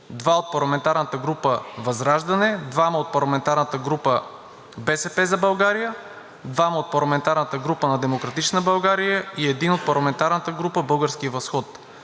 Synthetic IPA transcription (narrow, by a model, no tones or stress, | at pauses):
d̪vaot̪̚pɐɾlˠɐmɛnt̪aɾnət̪əɡɾupəvɐzɾaʒd̪ɐnɛd̪vamɐot̪̚pɐɾlˠɐmɛnt̪aɾnət̪əɡɾupə | bɛsɛpɛzɐbɐlˠɡaɾijə | d̪vaməot̪̚pɐɾlˠɐmɛnt̪aɾnət̪əɡɾupənɐd̪ɛmokɾɐt̪it͡ʃnəbɐlˠɡaɾijəiɛd̪inot̪̚pɐɾlˠɐmɛnt̪aɾnət̪əɡɾupəbɤlˠɡəɾskivɐsxɔt̪